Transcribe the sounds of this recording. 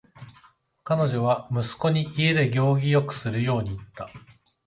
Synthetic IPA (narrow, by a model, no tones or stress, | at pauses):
kano̞ʑo̞β̞amɯ̟sɨ̥ko̞ɲ̟iʔie̞d̪e̞ɡʲo̞ːɡʲijo̞kɯ̟̥sɨɾɯ̟jo̞ːɲ̟iːt̪ːa